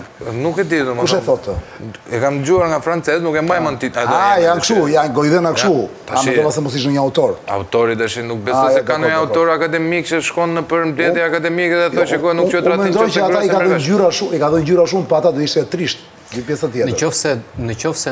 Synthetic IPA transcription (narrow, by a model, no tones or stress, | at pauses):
nukɛd̪id̪umkuʃɛθɔt̪ɛkamd̪d͡ʑuaɾŋɡafɾant͡sɛznukambajmənt̪iad̪ajjankʃujaɡɔjðɛnakʃt̪u | aaɛd̪ɔvasɛmɔsiʃ̬nəɲəawt̪ɔɾa̰ut̪ɔɾid̪aʃinuk̚bɛɔjssɛdkanɲaut̪ɔɾakad̪ɛmikt͡ʃəʃkɔnːəpəɾmlɛt̪jɛakad̪ɛmikɛðɛɔjt͡ʃəkɔnukuɛɾamɛd̪ɔjt͡ʃəat̪aikaɔɟyɾaʃumikaðɔjɲd͡ʑyɾaʃumpəat̪ad̪uiʃt̪ɛt̪ɾiʃt̪ | d̪ypjɛsat̪ːjɛt̪nəɔfsɛnət͡ʃɔfsɛ